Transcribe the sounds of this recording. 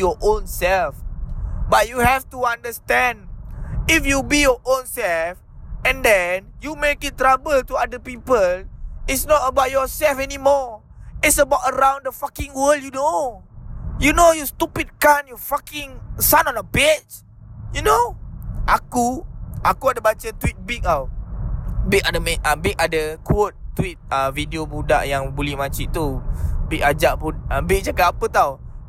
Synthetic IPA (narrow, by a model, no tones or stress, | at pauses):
jɔʔõnsɛlfbat̚juhɛftuãndəstɛ̃ndifjubijɔʔõnsɛlf | ɛ̃ndɛnjumekɪt̚tɹabəltuadəpipəlɪtsnɔtəbaʊt̚jɔsɛlfɛnimɔ | ɪtsəbaʊtəɹãw̃ndəfakĩŋwəljuno | junojust̪upid̚kanjufakɪ̃ŋsanɔ̃nəbet͡ʃ | junoʔakuakuadəbat͡ʃət̪wit̪̚bik̚a | bik̚adəmɛəbik̚adəkuot̪̚tːwit̪̚əvidiobuda̰ʔjãŋbulihmat͡ʃiʔt̪ubikad͡ʒaʔbunəbɪk̚d͡ʒakapapət̪aw